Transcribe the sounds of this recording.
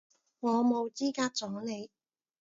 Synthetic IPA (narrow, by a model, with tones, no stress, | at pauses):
ŋɔː˨˧mo˨˧wt͡siː˥kaː˧t̚t͡sɔː˨˥ne˨˧j